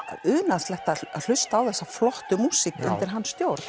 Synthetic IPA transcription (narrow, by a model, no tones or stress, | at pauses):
ʏːnast̪lɛht̪aal̥ʏst̪aːwθɛsːaflɔht̪ʏmuːsikʏ̰nt̪ɪɾ̥ɦanːsːt̪jowɾt̪